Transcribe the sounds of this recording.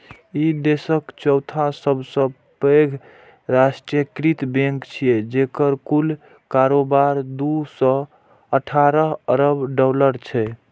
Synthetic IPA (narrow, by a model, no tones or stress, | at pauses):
id̪esəkt͡ʃɔwt̪ʰãsəbsə̃ | peɡʱ | ɾasʈɾijəkɾit̪bẽŋkt͡ʃʰijed͡ʒekəɾkul | kaɾobaɾd̪usɔ̃ | əʈʰaɾəɦəɾəbɖɔləɾt͡ʃʰɛ